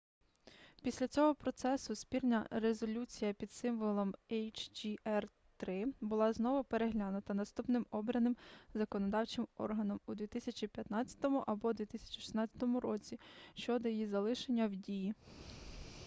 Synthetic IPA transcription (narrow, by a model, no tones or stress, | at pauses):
pʲisʲlʲɐt͡sʲɔɦɔpɾɔt̪sɛsʊspʲirnʲɐɾezɔlʲut͡sʲijɐpʲid̪sɪmʋɔlˠɔmɛjt͡ʃd͡ʒʲiɛr | t̪ɾɪbʊlˠɑznɔʋʊpeɾeɦlʲanʊt̪ɐnɐst̪upnɪmɔbɾɐnɪmzɐkɔnɔd̪ɑwt͡ʃɪmɔ̰rɦɐnɔmud̪ʋʲit̪ɪsʲɐt͡ʃʲipʲjɐt̪nɑt͡sʲːɐ̥t̪ɔmʊʔɐbɔd̪ʲʋʲit̪ɪsʲɐ̥t͡ʃi̥ʃɪ̥snɑt͡sʲːɐ̥t̪ɔmʊɾɔt͡sʲiʃt͡ʃɔd̪ɔjijizɐlˠɪʃenʲːɐwdʲiji